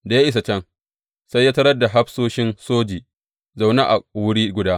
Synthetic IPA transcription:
da˨ja˦ʔɪ˦s̬a˨t͡ʃɛ˦ŋ | sa˦jːaː˦tɐ˦ɾɐ˦da˨ɦa˦ɸsoː˦ʃɪ˦nsoː˦d͡ʒiː˨ | za˨wna˦ʔa˨wʊ˦ɽiː˦ɡʷʊ˨daː˦

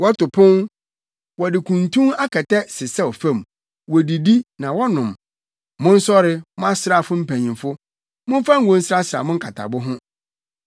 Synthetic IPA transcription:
wɔ˦tʊ˨pʰʊ̃˦n | wɔ˨dɪ˨kʰũ˨ntʰũ˦ŋa˦kʰɛ˨tɛ˦sɪ˨sɛ˦ɔ˨fã˦˨m | wɔ˨di˨di˦nã˨wɔ˦nʊ̃˨m | mʊ̃˦n̩˦sɔ˦ɾɪ˦mʊ̃˦a˦sɪ˦ɾa˨fʊ˦m̩˦pʰæ̃˨ɲĩ˨mfʊ˦ | mʊ̃˦m˦fa˦ŋ̩˦ɡɔ̃˦n̩˦sɾa˦sɾa̰˨mʊ̃˦ŋ̩˦kʰa˨tʰa̰˨bʊ˦ɦʊ̃˦

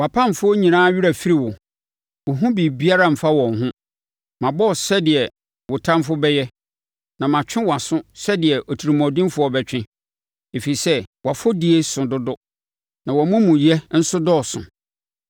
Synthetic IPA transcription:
wa˨pʰã˦˨ɱ̩˨fʊ˦ɔ˦ɲĩ˨nãː˦ɥu˦ɾa˨fi˦ɾi˨wʊ˨ | wʊ˨ɦũ˦bi˨bi˦a˦ɾa˦˨m̩˨fa˦wɔ̃˨ŋ˨ɦʊ̃˦ | mã˨bɔ˦˨sɛ˦dɪ˨ɛ˨ | wʊ˨tʰã˦m˦fʊ˦bɛ˦jɛ˦ | nã˨mã˨t͡ɕᶣʰɪ̃˦wɔ˨a˨sʊ̃˦sɛ˦dɪ˨ɛ˨ʔɔ˨tʰi˨ɾi˨mɔ̃˨dĩ˦mfʊ˨˦ɔ˦˨bɛ˦t͡ɕᶣɪ̃˦ | e˨fi˨i˨sɛ˦wa˨fo˦di˨e˦sʊ̃˨dʊ˦dʊ˦ | nã˨wɔ˨mũ˦mũ˨jɛ˦n̩˦sʊ˦dɔ˦˨sʊ̰̃˨

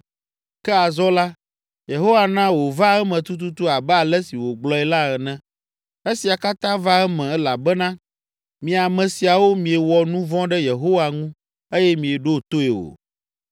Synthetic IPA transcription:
kɛ˦a˨zɔ˦la˦ | je˨ɦo˦wa˨nã˦wo˨va˦ɛ˦mɛ̃˨t̪u˦t̪̬u˦t̪u˦a˨bɛ˦a˨lɛ˦si˨wo˨ɡ͡blɔ˦ɛ˨la˦ɣɛ˨nɛ̃˦ | e˦si˨a˨ka˦t̪ã˦va˦ɛ˦mɛ̃˨ɛ˦la˨bɛ˦nã˦ | mĩ˨a˨mɛ̃˨si˨a˨wo˦mĩ˨e˨wɔ˨nũ˦vɔ̃˦ɖɛ˦je˨ɦo˦wa˨ŋũ˦ | e˦jɛ˦mĩ˨e˨ɖo˦˨t̪o˦e˨o̰˨

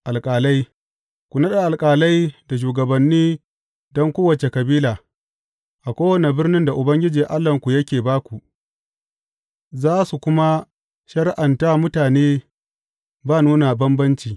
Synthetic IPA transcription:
ʔa˨lkʼaː˨la˦j | kʷu˨nɐ˦ɗa˨ʔa˨lkʼaː˨la˦jda˨ʃ̬uː˨ɡɐ˨bɐ˨nːiː˦ | dɔ˦ŋkʷoː˦wɐ˨t͡ʃe˨kɐ˨biː˦laː˨ | ʔa˨kʷoː˦wɐ˦ne˨bɪ˦rnɪ˦nda˨ʔʊ˨bɐ˦ŋɡʲɪ˦d͡ʒiː˨ʔa˦lːɐ˨ŋkʷu˨jɐ˦kʲeː˨baː˦kʷu˨ʔ | zaː˦su˨kʷʊ˦ma˦ | ʃɐ˦ɽʔa˨nta˦mʊ˦taː˨neː˦ | baː˦˨nuː˦na˨bɐ˦mbɐ˦nt͡ʃiː˨

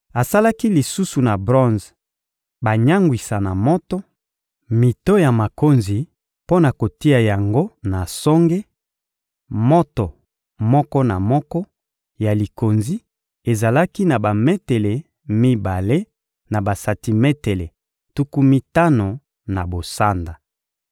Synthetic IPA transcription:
a˨sa˦la˦ki˦li˨su˦su˨na˨bʁɔ̃˦nz | ba˨ɲa˦ŋɡwi˨sa˨na˨mɔ˦tɔ˦ | mi˨to˦ja˨ma˨ko˦nzi˨ | po˦na˨ko˨ti˦a˨ja˨ŋɡo˦na˨sɔ˦ŋɡe˦ | mɔ˦to˨ | mɔ˦kɔ˦na˨mɔ˦kɔ˦ | ja˨li˨ko˨nzi˦ | e˨za˨la˦ki˦na˨ba˨me˦te˨le˨ | mi˦ba˨le˦ | na˨ba˨sa˨ti˨me˦te˨le˨ | tu˦ku˦mi˦ta˦no˨ | na˨bo˨sa˦nda˨

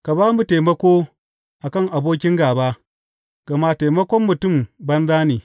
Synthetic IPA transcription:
ka˨baː˦mu˨teː˨mɐ˦kʷoː˦ | ʔa˨kɐ˦˨ŋʔa˨boː˦kʲɪ˦ŋɡaː˨baː˦ | ɡ̥ɐ˨ma˦teː˨mɐ˦kʷɔ˦mːʊ˨tʊ˦˨mbɐ˦nzaː˦niː˨

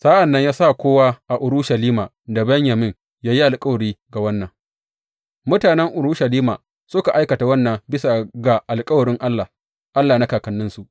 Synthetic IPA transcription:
saː˦ʔa˨nːɐ˦ɲjaː˦sa˦˨kʷoː˦waː˦ʔa˨ʔʊ˨ɾʊ˦ʃa˨liː˦maː˨ | da˨bɐ˦ɲjɐ˨mɪ˦ŋ | jaː˦ji˦ʔa˨lkʼɐ˦wɽiː˦ɡa˨wɐ˦nːɐ˨ŋ | mʊ˦taː˨nɛ˦ŋʔʊ˨ɾu˦ʃa˨liː˦maː˨ | sʊ˦ka˨ʔa˦jkɐ˨ta˨wɐ˦nːɐ˨bɪ˦sa˨ɡa˨ʔa˨lkʼɐ˦wɽɪ˦ŋʔa˦lːa˨ | ʔa˦lːaː˨na˦kaː˨kɐ˨nːɪ˦nsu˦ʔ

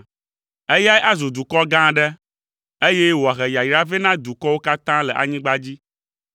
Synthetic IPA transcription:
e˦ja˦jʔa˦zu˨d̪u˨kɔ˦ɡã˦ɖɛ˦ | e˦je˦wo˨a˨ɣɛ˨ja˨jɾa˦vɛ˦nã˦d̪u˨kɔ˦wo˦ka˦t̪ã˦lɛ˨ʔa̰˨ɲĩ˦ɡ͡ba˦d͡ʑi˦

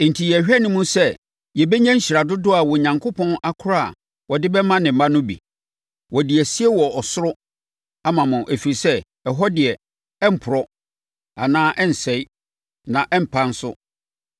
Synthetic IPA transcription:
n̩˨tʰi˨jɕᶣɛ˦nʊ̃˦mũ˦sɛ˦ | jɛ˨bɛ˦ɲã˦ɲ̩˦ɕi˨ɾa˨dʊ˦dʊ˦a˨wɔ˨ɲã˨ŋkʰo˦pʰɔ̃˦na˦kʰʊ˦ɾa˦a˨ | wɔ˨dɪ˦bɛ˦mã˦nɪ̃˨m̩˨mã˦nʊ̃˦bḭ˨ | wɔ˨dɪ˨ɛ˨si˦ɛ˦wɔ˨ɔ˨sʊ˦ɾʊ˦ | a˦mã˨mʊ̃˨ʔæ˨fi˨ɾi˨sɛ˦ | ɛ˨ɦɔ˦dɪ˨ɛ˨ | ɛ˦m̩˨pʰʊ˨ɾɔ˦ | a˨nãː˦ʔɛ˦n̩˨sɛ˨i˦ | nã˨ʔm̩˨pʰã˦n̩˦sʊ̰˦

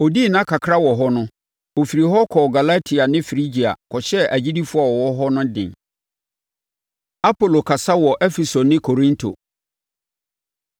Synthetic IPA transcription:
o˨di˦˨nã˦kʰa˨kʰɾa˦wɔ˨ɦɔ˦nʊ̃˦ | o˨fi˨ɾi˨ɦɔ˦kʰɔ˨ɡa˨la˦tʰi˨a˨nɪ̃˦fɾi˦d͡ʑi˨a̰˨kʰɔ˨ɕɛ˦ʔæ˨d͡ʑi˦di˦fʊ˦a˨wɔ˨wɔ˦ɦɔ˦nʊ̃˦dɪ̰̃˨n | a˦pʰo˨lo˨kʰa˨sa˦wɔ˨ʔɛ˦fɛ˨so˨nɪ̃˦kʰo˨ɾĩ˦ntʰo̰˨

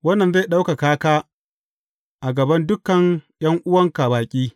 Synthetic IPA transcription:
wɐ˦nːɐ˨nza˦˨ɗa˦wka˨kaː˦kaː˦ | ʔa˨ɡɐ˨bɐ˦ndʊ˦kɐ˨ŋjɐ˦ŋʔʊ˦wɐ˦ŋka˨baː˨kʲʼiː˦

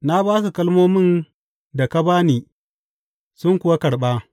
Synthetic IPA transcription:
na˦baː˦s̬u˨kɐ˦lmoː˦mɪ˦n | da˨ka˦baː˦niː˨ | sʊ˦ŋkʷʊ˨wa˦kɐ˨ɽɓaː˦

